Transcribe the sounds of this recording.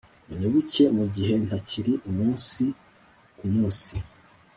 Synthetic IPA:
uɲeβuce̞muɟiɦe̞n̥haciɾiʔumuːnsi | kumuːnsi̥

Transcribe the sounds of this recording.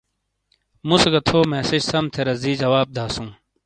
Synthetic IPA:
musɡɐt̪ʰoːmeːseɕsɐmt̪ʰeɾɐziːd͡ʑɐwaːb̚d̪ʱaːsũː

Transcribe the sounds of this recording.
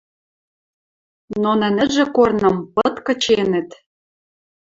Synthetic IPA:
nonɘ̆nɘ̆ʒĕkornɤ̆mpɤ̆t̪kɤ̆t͡ɕenɘ̆t̪

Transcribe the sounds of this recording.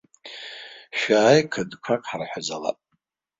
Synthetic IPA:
ʃᶣaːjkʰɨdkʷʰakʼħarħʷᶣazala̰pʼ

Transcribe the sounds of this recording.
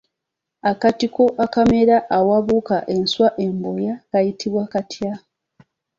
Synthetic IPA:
akatiko̞ʔakame̞ɾaʔːwaβukaʔe̞nswaʔe̞mbo̞jakajitʰiβwakatʰja

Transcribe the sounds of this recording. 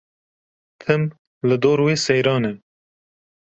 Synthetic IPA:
t̪ʰɨm | lɨd̪oːɾweːsɛjɾɑːnɛ

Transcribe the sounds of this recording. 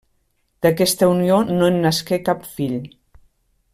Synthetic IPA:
d̪əkɛst̪əunionoenːəskɛkapfiʎ

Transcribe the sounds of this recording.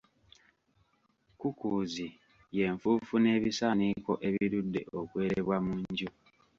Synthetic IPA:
kukuzi | je̞ɱfuːfune̞ːβisaniko̞ʔe̞βiɾudːe̞ʔokwe̞ːɾeβwamuɲɟu

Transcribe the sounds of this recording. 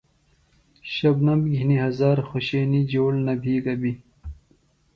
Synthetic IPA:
ɕɐbnɐmbɡʱiniɦɐzaːɾxoɕeːnid͡ʑoːlnɐbʱiːkɐbi

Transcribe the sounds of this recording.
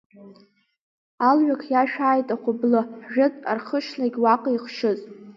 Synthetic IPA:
alɥᶣakʰjaʃᶣaːjtʼaχʰʷʊblɨħʒᶣʊtʼa̰rχəʃlaɡʲwaqʼiχʃɨzʼ

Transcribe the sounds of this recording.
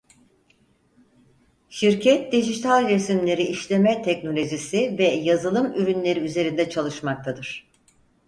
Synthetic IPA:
ʃiɾcʰɛt̪̚d̪iʒit̪ʰalʲɾesimlʲe̞ɾiːʃlʲe̞mɛt̪ʰɛcno̞lʲo̞ʒisivɛjazɯlˠɯmyɾynlʲe̞ɾiyze̞ɾind̪ɛt͡ʃʰalˠɯʃmak̚t̪ʰad̪ɯɾ̥

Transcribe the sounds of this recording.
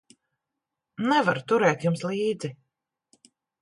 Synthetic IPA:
nɛvaɾt̪uɾɛːt̪jumslˠiːd̪zi

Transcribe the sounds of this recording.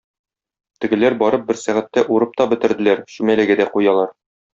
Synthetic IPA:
t̪ɘ̆ɡɘ̆læɾbɒɾɤp̚bɘɾsæʁæt̪ːæʔuɾɤp̚t̪ɒbɘ̆t̪ɘ̆ɾd̪ɘ̆læɾɕʉmælæɡɘd̪æqujɑlˠɑɾ

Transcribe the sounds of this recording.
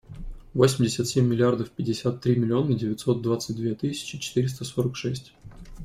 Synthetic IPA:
vo̞sʲmʲdʲɪsʲət̪sʲemʲːɪlʲɪard̪əfpʲɪdʲɪsʲat̪ːɾʲimʲɪlʲɪo̞nədʲɪvʲɪt̪so̞t̪̚d̪vat̪sɨt̚ʲd̪vʲet̪ɨsʲɪ̥t͡ɕɪt͡ɕɪ̥t̪ɨɾʲɪst̪əso̞ɾəkʂɛsʲtʲ

